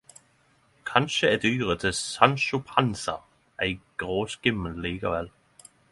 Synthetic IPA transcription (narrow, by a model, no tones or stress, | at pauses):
kʰɑnʃəɛd̪yːʁət̪ʰɪsɑnʃʊpʰɑnsɑ | æɪɡ̥ʁoːskɪmːənliːkəʋɛl